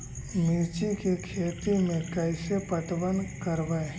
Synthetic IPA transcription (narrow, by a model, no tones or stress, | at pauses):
mɪɾt͡ʃikekʰeːt̪imẽkɛɪsepət̪bənkəɾʋae